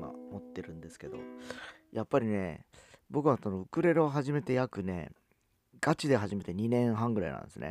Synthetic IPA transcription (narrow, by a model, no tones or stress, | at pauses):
ma̰mo̞t̪ːe̞ɾɯ̟̃nd̪e̞sɨ̥ke̞d̪o̞̰jʔapːaɾʲine̞bo̞kɯ̟βasonoɯ̟kɯ̟ɾe̞ɾoɦaʑime̞t̪e̞jakɯ̟ne̞̰ | ɡ̥at͡ɕid̪e̞ɦaʑime̞t̪e̞ɲ̟inẽ̞ɰ̃ɦãŋɡɯ̟ɾa̰inã̰nd̪esɨ̰nḛ